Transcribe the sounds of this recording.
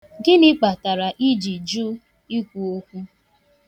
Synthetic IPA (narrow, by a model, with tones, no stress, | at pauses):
ɡɪ˦nɪ˦k͡pa˨ta˨ɾa˨ʔi˦d͡ʒi˨d͡ʒu˦ | i˦kʷu˨o˦kʷu˦